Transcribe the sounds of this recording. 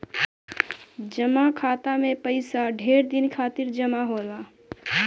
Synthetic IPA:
d͡ʒəmakʰaːt̪amẽpəɪsaɖʱeːɾd̪ɪnkʰaːt̪ɪɾd͡ʒəmaɦoːla

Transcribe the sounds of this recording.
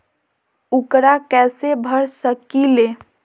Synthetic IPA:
ukɾakɛsebʱəɾsəkile

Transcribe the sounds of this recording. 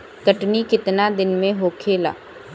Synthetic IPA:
k̪ɐʈnikɪt̪nad̪ɪnmẽɦokʰeːla̰ː

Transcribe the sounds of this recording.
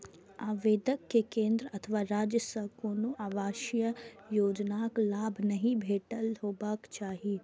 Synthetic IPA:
aːʋeːd̪əkːekẽːnd̪ɾəɐt̪ʰəʋaːɾaːd͡ʒjəsɐkoːnuʔaːʋaːʃjəjoːd͡ʒnaːklaːbʱnɐɦĩbʱeːʈəlɦoːbaːkt͡ʃaːɦiː

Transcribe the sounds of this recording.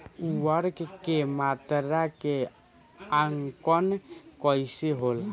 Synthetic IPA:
uəɾkkemat̪ɾake | aŋkɔnkɔɪseɦol

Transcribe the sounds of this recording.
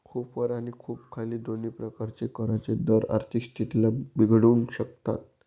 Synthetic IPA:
kʰuːpʋəɾaɽ̃ikʰuːp̚kʰaliːd̪ʱoniːpɾəkaɾt͡sekəɾat͡sed̪əɾa̰ɾt̪ʰikst̪ʰit̪ilabiɡʱɽuːnɕək̚t̪a̰t̪̚

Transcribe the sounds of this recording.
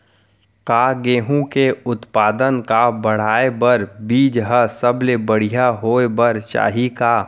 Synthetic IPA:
kaːɡeːɦũkeʊt̪paːd̪ənkabəɽ̤aːebəɾbiːd͡ʒɦəsəblebəɽ̤ijaɦoːebəɾt͡ʃa̰ːɦikaː

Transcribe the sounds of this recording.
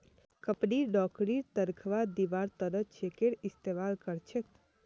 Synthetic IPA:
kəpniɖɔkɾiɾt̪əɾkʰʋad̪iʋaɾt̪əɾət̪t͡ʃekeɽɪst̪emalkəɾt͡ʃʰe

